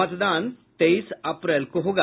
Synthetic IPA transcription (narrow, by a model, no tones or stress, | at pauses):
ət̪d̪ant̪eisɐpɾɛlkoɦoɡa